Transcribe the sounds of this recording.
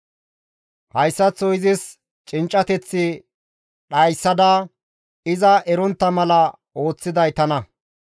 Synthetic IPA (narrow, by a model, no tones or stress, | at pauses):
hɐjsːɐt͡sːɔjzɪs | t͡ʃʼɪnt͡ʃʼːɐt̪ɛt͡sːɪ | ɗɐjsːɐd̪ɐ | ɪzɐʔɛɾɔnt̪ːɐmɐlɐ | o̞ːt͡sːɪd̪ɐjt̪ɐnɐ